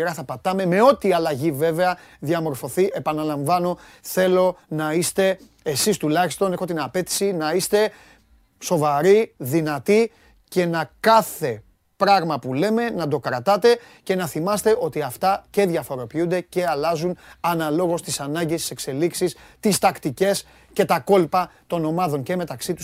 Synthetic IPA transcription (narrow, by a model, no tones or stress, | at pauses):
ɾɐθɐpɐt̪ɐme̞me̞o̞t̪iɐlɐʝive̞ve̞ɐðjɐmo̞ɾfo̞θiʔe̞pɐnɐlɐɱvɐno̞θe̞lo̞nɐist̪e̞ | esist̪ulɐçist̪o̞nexo̞t̪inɐpe̞t̪i̥sinɐist̪e̞ | so̞vɐɾiðinɐt̪i | ce̞nɐkɐθe̞ | pɾɐɣmɐpule̞me̞nɐd̪o̞kɾɐt̪ɐt̪e̞ | ce̞nɐθimɐst̪e̞ʔo̞t̪iɐft̪ɐce̞ðʝɐfo̞ɾo̞piund̪e̞ce̞ɐlɐzunɐnɐlo̞ɣo̞st̪isɐnɐɲɟist̪i̥se̞kse̞liksist̪ist̪ɐkt̪ice̞s | ce̞t̪ɐko̞lpɐt̪o̞no̞mɐðo̞ɲce̞me̞t̪ɐksit̪u